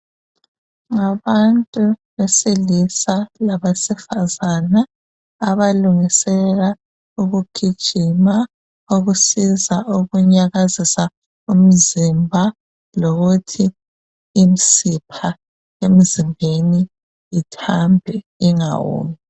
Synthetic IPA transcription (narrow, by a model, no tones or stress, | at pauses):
ŋaβantʼuβesilisalaβasifazanaː | βaluŋisɛɣa | uɣuɡ̥ʰʱi̥ʒ̥ʱima | oɣusizaʔuɣuɲaɣazisa | um̩zimbʱa | loɣutʰiː | misipʰa | em̩zimbʱeniː | tʰambʱɛ | iŋa̰wṵːmi